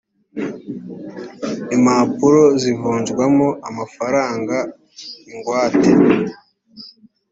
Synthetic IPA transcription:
imapuɾo̞zivuːnd͡ʒɡwamoʔamafaɾaːŋɡa | iŋɡwaːte

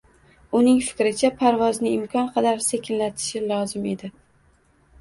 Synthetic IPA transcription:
ʊnɪŋfɪ̥kʲɾɪt͡ʃʰapʰaɾvɒznɪɪmkʰʲɒnqʰɑd̪aɾsekʲɪnlat̪ʰɪ̥ʃɪlˠɒzɪme̞d̪ɪ

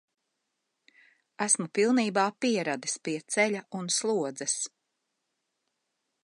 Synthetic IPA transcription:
æsmupilˠniːbaːpiɛɾad̪ispiɛt̪sɛʎʲaʔunslˠuɔd̪zɛs

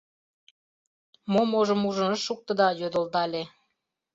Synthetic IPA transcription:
momoʒə̆muʒə̆nəʃuk̚t̪ə̆d̪ɑjød̪ə̆ld̪ɑlʲe

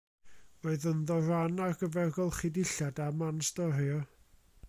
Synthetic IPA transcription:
roɨðənðɔranarɡəvɛrɡɔlˠχɪdɪɬadamanstɔɾjɔ

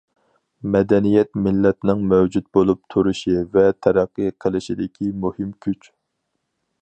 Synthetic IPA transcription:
mɛd̪ɛnijɛt̪mɪlːɛt̪nɪŋmɛwd͡ʒut̪̚bolˠup̚t̪ʰuɾuʃivɛt̪ʰɛɾæqːɨjqʰəlˠɪʃid̪ɪkʲʰimuhɪmkʲʰyt͡ʃ

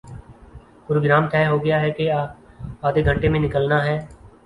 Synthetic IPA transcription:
pɾoːɡɾaːmt̪ʰɛːɦoɡəjaɦɛke | aːd̪eɡʱə̃ɳʈemẽnɪkəlnaɦɛː

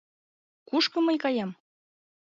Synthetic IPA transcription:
kuʃkɤ̆mɤjkɑjɑm

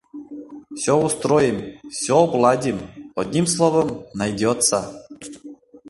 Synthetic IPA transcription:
fsʲɔust̪ɾojɪmsʲɔblˠad̪ʲimɔd̪ʲnʲimslˠɔvəmnajd̪ʲɔt̪sa

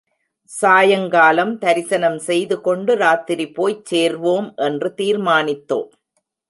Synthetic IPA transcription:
saːjɐŋɡaːlɐmt̪ɐɾɪsɐnɐmsɛjðɯkɔɳɖɯɾaːt̪ɪɾipːoːjt͡ʃːeːɾʋoːmʔɛndrɯt̪iːɾmaːnɪt̪ːo̰ːm

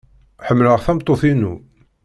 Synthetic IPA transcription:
ħəmːləʁθæmt̪ˤːoθinṵ

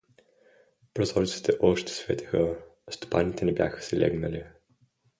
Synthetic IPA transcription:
pɾozɔɾit̪si̥t̪ɛʔɔʃt̪ɛ̥svɛt̪ʲi̥xəst̪o̥panit̪ɛnɛbʲja̰xə̥sɛlʲɛ̰ɡnəli

